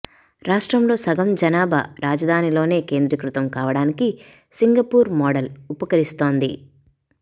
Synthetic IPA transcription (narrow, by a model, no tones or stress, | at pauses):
ɾaːʂʈɾɐmlo̞ːsɐɡɐmd͡ʒɐnaːbʱɐ̰ɾaːd͡ʒɐd̪ʱaːnilo̞ːne̞ːke̞ːnd̪ɾɐkɾut̪ɐmkaːʋɐɽaːniki | siŋɡɐpuːɾmɔːɖɐlupɐkɐɾist̪o̞ːnd̪ḭ